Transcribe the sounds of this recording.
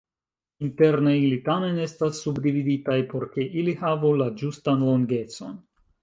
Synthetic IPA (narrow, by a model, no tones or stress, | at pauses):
inte̞ɾnejlitame̞ne̞stasːubdividitajpo̞ɾke̞ʔilihavulad͡ʒustanlo̞ŋɡe̞t͡so̞̰n